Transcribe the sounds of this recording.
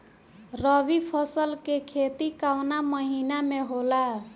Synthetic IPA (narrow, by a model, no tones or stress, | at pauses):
rʌbipʰʌsʌlkekʰet̪ikawnamʌɦinameɦola